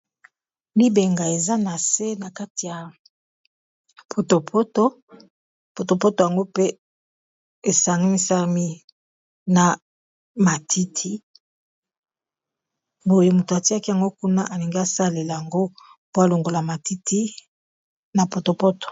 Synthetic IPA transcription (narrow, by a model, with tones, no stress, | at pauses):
mi˦be˨ŋɡa˨e˨za˦na˨se˦na˨ka˦ti˨ja˨ | pʰo˨to˨pʰo˦to˦ | po˨to˨po˦to˨ja˨ŋɡo˦pe˦ | e˨sa˨ŋɡi˦mi˦sa˦mi˦ | na˨ | ma˨tʰi˦tʰi˦ | bo˨je˨mu˨to˨a˨ti˦a˦ki˦ja˨ŋɡo˦ku˦na˦ʔa˨li˨ŋɡi˦a˦sa˦le˨la˨ja˨ŋɡo˦ | po˦a˨lo˨ŋɡo˨la˨ma˨ti˦tʰi˦ | na˨po˨to˨po˦to̥˨